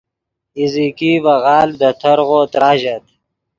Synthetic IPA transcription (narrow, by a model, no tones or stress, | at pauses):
izikiːvɐɣɑːld̪ɐt̪ʰɐɾɣoːt̪ɾaːʑɐt̪